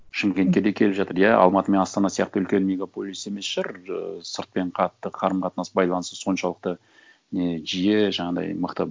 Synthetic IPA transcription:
ʃɪmkʲet̪̚kʲe̞ɾd̪e̞kʲʰe̞lpʒɑt̪əɾjæɑ̰lˠmɑt̪əme̞nɑst̪ɑnɑsijɑqt̪əʏlkʲe̞nme̞ɡapo̞lʲˠise̞me̞sʒ̥ɑɾə̰səɾt̪̚pe̞ɴqʰɑt̪ːəqʰɑɾəmqʰɑt̪nɑsəbɑjlˠɑnəst̪əso̞nʃɑlˠəq̚t̪ə | ne̞ʒijeʒɑɴɑd̪ɑ̰jməqt̪ə

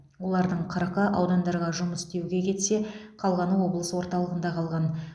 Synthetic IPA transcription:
wo̞lˠɑɾd̪əɴqʰɑɾɑqəʔɑwd̪ɑnd̪ɑɾʁɑʒʊməst̪e̞wɡʲe̞kʲʰe̞t̪se̞qʰɑlˠʁɑnəwo̞blˠəsəwo̞ɾt̪ɑlˠəʁənd̪ɑqʰɑlˠʁɑn

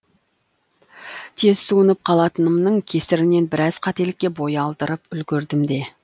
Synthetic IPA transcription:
t̪ʰe̞zsuənəp̚qʰɑlˠɑt̪ənəmnəɴkʲʰe̞sɪɾɪne̞nbɪɾɑzqʰɑt̪e̞lɪkʲːe̞bo̞jɑlˠd̪əɾəpʏlɡʲɪɾd̪ɪmd̪e̞

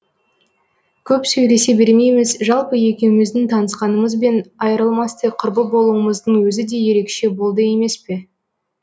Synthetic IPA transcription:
kʲʰɵpsɵjle̞se̞be̞ɾme̞jmɪzʒɑlˠpəje̞kʲe̞wɪmɪzd̪ɪŋt̪ʰɑnəsqɑnəməzbe̞nɑjɾəlˠmɑst̪əqʰʊɾbəbo̞lˠuəməzd̪əɴwɵzɪd̪e̞je̞ɾe̞kʃe̞bo̞lˠd̪əje̞me̞spe̞

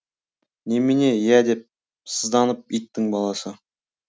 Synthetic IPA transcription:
nemɪne̞jæd̪e̞p̚ | səzd̪ɑnəp̚it̪ːɪŋbɑlˠɑsə

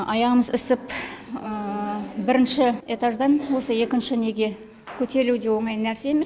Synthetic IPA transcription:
ɑjɑʁəməzɪsɪpəbɪɾɪnʃɪe̞t̪ɑʒd̪ɑnwo̞səe̞kʲɪnʃɪne̞ɡʲe̞ | kʲʰɵt̪e̞ɾluwd̪e̞wo̞ɴɑjnæɾse̞ːemes

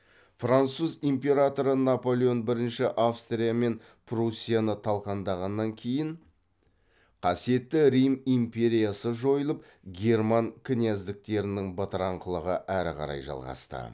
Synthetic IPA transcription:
frant̪suzimpʲe̞ɾat̪o̞ɾənapo̞lʲˠeo̞nbɪɾɪnʃɪʔafst̪rʲijame̞n | pʰrusʲːijanət̪ʰɑlˠqɑnd̪ɑʁɑnːɑŋkʲʰe̞jɪɴ | qʰɑsije̞t̪ːɪɾijmimpʲe̞ɾʲijasəʒo̞jəlˠəp̚ | ɡʲe̞rmaŋkʲʰinijæzd̪ɪk̚t̪e̞ɾɪnɪŋbət̪ɾɑɴqəlˠəʁəʔæɾɪ̰qɑ̰ɾɑ̰jʒɑ̰lˠʁɑ̰st̪ə̰

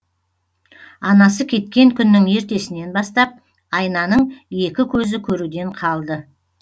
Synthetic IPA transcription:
ɑnɑs̬əkʲʰe̞t̪̚kʲe̞ŋkʲʰʏnːɪŋe̞ɾt̪e̞sɪne̞nbɑst̪ɑp̚ | ɑjnɑnəɴje̞kʲɪkʲʰɵzɪkʲʰɵɾud̪e̞ɴqʰɑlˠd̪ə

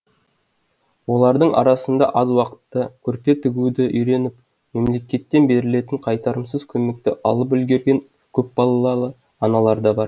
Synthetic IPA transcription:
wo̞lˠɑɾd̪əɴɑ̰ɾɑsənd̪ɑ̰ʔɑzwɑqə̥t̪ːəkʲʰɵɾt̪e̞t̪ʰʏɪɡʲud̪ɪʔʏjɾe̞nɪp | me̞mle̞kʲe̞t̪ːe̞nbe̞ɾɪle̞t̪ɪɴqʰɑjt̪ɑɾəmsəzkʲʰɵme̞k̚t̪ɪʔɑlˠəp̬ʏlɡʲeɾɡʲe̞ŋ | kʲʰɵp̚bɑlˠɑlˠɑlˠə | ɑnɑlˠɑɾd̪ɑbɑɾ

